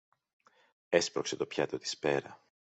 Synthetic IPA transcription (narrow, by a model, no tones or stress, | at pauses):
e̞spɾo̞̰kse̞t̪o̞pçɐt̪ot̪i̥spe̞ɾɐ